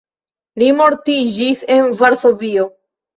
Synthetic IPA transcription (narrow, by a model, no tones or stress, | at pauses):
limo̞ɾtid͡ʒise̞nvaɾso̞vio̞